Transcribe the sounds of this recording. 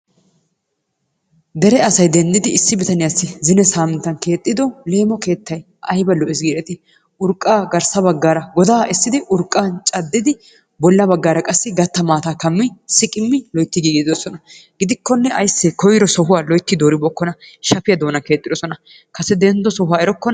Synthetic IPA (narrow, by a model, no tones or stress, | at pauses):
d̪ɛɾɛɐsɐjd̪ɛnd̪ɪd̪ɪɪsːɪbɪt̪ɐnɪjasːɪzɪnɛsaːmɛnt̪ːɐnke̞ːt̪ʼːɪd̪ɔle̞ːmɔke̞ːt̪ːɐj | ʔɐjbɐlɔʔɪsɡiːɾɛt̪ɪ | ʔʊɾkʼːaːɡɐɾsɐbɐɡːaːɾɐɡɔd̪aːʔɪsːɪd̪ɪʔʊɾkʼːaːnt͡ʃʼɐd̪ːɪd̪ɪ | bɔlːɐbɐɡːaːɾɐkʼɐsːɪɡɐt̪ːɐmaːt̪aːkɐmːɪsɪkʼɪmːɪlɔjt̪ːɪɡiːɡd̪ɪd̪ɔsɔnɐɡ̥ɪd̪ɪkːɔnːɛɐjsːɛkɔjɪɾɔsɔɦʊwaːlɔjt̪ːɪd̪oːɾɪbɔkːɔnɐʃɐpɪjɐd̪oːnɐke̞ːt̪ʼːɪd̪ɔsɔnɐ | kɐsɛd̪ɛnd̪ɔsɔɦʊwaːɛɾɔkːɔn